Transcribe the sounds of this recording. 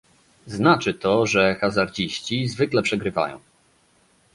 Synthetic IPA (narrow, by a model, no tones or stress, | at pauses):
znat͡ʂɘt̪ɔʐɛxazaɾd͡ʑiɕt͡ɕizvɘklɛpʂɛɡɾɘva̰jɔ̰̃w̃